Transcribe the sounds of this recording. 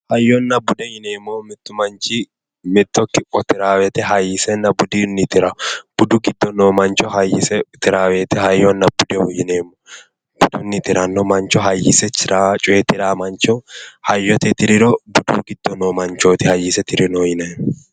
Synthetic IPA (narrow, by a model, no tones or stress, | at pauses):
hɐjːɔnːɐbʊd̪ɛjɪneːmːɔmɪt̪ːʊmɐnt͡ʃɪ | mɪt̪ːɔkːɪpʼːɔt̪ɪɾaːwɛt̪ɛɦɐjɪsɛnːɐbʊd̪inːɪt̪ɪɾɐb̥ʊd̪ʊɡɪd̪ːɔnoːmɐnt͡ʃɔhɐjɪsɛt̪ɪɾaːweːt̪ɛhɐjːɔnːɐbʊd̪ɛwʊjɪneːmːɔ | b̥ʊd̪ɔnːɪt̪ɪɾɐnːɔmɐnt͡ʃːɔɦɐjːɪsɛt͡ʃɪɾat͡ʃʼʊɛt̪ɪɾaːmɐnt͡ʃɔhɐjːɔt̪ɛt̪ɪɾɪɾɔbʊd̪ṵːɡɪd̪ːɔnoːmɐnt͡ʃoːt̪ɪhɐjːɪsɛt̪ɪɾɪnoːjɪnɐn